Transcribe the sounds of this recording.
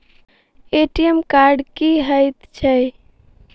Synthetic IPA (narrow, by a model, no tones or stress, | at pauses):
eʈiemkaɾɖkiɦəjt̪t͡ʃʰəj